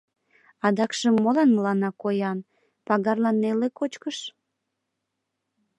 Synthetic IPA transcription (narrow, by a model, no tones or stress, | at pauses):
ɑd̪ɑkʃəmːolɑnməlɑnɑkojɑn | pɑɣɑrlɑnːelekot͡ɕkəʃ